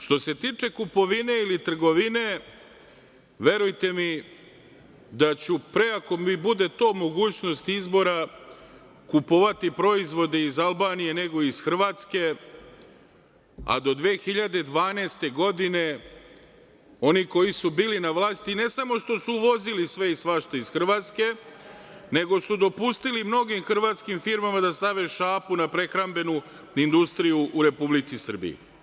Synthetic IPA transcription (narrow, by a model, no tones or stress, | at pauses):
ʃt̪o̞se̞t̪iːt͡ʂe̞kupo̞ʋine̞ilit̪r̩ɡo̞ʋine̞ | ʋe̞ɾujt̪e̞mi | d̪at͡ɕupɾe̞ako̞mibud̪e̞t̪o̞ːmo̞ɡuːt͡ɕno̞st̪izbo̞ɾa | kupoʋat̪ipɾo̞izʋo̞d̪e̞izalˠbaːnije̞ne̞ɡo̞izxr̩ʋaːt̪ske̞ | a̰d̪o̞d̪ʋeːxiʎad̪ed̪ʋaːneːst̪e̞ɡo̞d̪ine̞ | o̞niko̞jisubiːlinaʋlˠaːst̪ine̞samo̞ʃt̪o̞suʋo̞zilisʋe̞isʋaʃt̪oizxr̩ʋaːt̪ske̞ | ne̞ɡo̞sud̪o̞pust̪ilimno̞ɡimxr̩ʋaːt̪skimfiɾmamad̪ast̪aʋe̞ʃaːpunapɾe̞xɾambe̞nu | ind̪ust̪ɾijuʔuɾe̞publit̪sisr̩bḭjḛ